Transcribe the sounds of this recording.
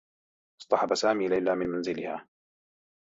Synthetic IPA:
ʔsˤt̪ˤɑħɑbasaːmiːlajlaːmɪnmanzɪlɪhaː

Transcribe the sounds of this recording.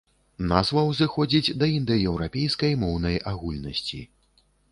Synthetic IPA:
nazvɐwzɨxɔd͡zʲid͡zʲd̪ɐind̪ɨjɛwɾapʲejskɐjmɔwnɐjaɣulʲnɐsʲt͡sʲḭ

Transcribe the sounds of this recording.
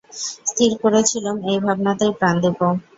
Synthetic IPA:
st̪ʰiɾkoɾet͡ɕʰilomejbʱabnat̪eɾpɾand̪upo

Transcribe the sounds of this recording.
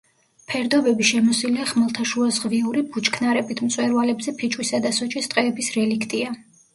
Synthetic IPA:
pʰɛɾd̪ɔbɛbiʃɛmɔsilɛaχmɛlˠt̪ʰaʃuazʁviuɾibut͡ʃʰʼkʰnaɾɛbit̪ʰmt̪sʼwɛɾvalɛbzɛpʰit͡ʃʼwisad̪asɔt͡ʃʼist̪ʼqʼɛːbisɾɛlikʰt̪ʼia

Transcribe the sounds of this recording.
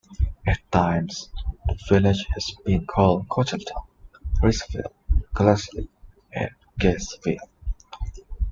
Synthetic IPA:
ɨtãɪ̃mz̥ðəvɪlɪd͡ʒhɨz̥b̥ĩnkʰɔlˠd̚kʰɔtəltʰãnɹɪsfḭlˠkʰəlaslḭ | ɨ̰̃n | ɡ̥ɛsvḭlˠ

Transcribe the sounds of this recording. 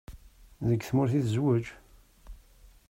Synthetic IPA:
ðəɡθmʊɾθiðzwəd͡ʒ

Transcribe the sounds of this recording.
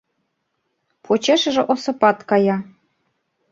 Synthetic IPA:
pʰot͡ɕeʃɘ̆ʒɘ̆ʔŏsɤ̆pɑt̪kɑjɑ

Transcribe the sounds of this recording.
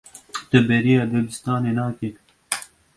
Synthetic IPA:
t̪ɛbɛɾijɑːd̪ɛlist̪ɑːneːnɑːke

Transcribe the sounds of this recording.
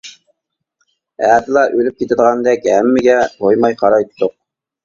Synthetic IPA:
æːt̪ɨlˠɑʔølyp̚kʲʰet̪ɪd̪əʁɑnd̪ɛkʲæmːɪɡʲɛhojmɑjqʰɑɾɑjt̪ːʊq̚

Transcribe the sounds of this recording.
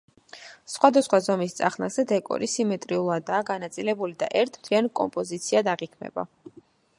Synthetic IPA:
sχwad̪asχwazɔmist̪sʼa̰χnaz̥ɛd̪ɛkʼɔ̰ɾisimɛt̪ʼɾiulˠad̪aːɡanat̪sʼilɛbulid̪a̰ʔɛɾt̪ʰmt̪ʰliankʼɔ̰mpʼɔzit̪sʰiad̪aʁikʰmɛ̰ba̰

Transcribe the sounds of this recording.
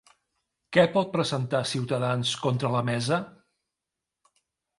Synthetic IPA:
kɛpɔt̪̚pɾəzənt̪asiwt̪əðanskɔnt̪ɾələmɛzə

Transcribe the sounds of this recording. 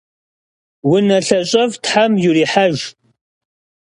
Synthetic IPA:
wʊnɐɬɐɕʼɐvtħamjuriːħaʒ

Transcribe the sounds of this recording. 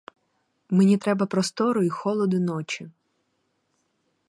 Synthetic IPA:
menʲit̪ɾɛbɐpɾɔst̪ɔɾʊixɔlˠɔd̪ʊnɔt͡ʃi

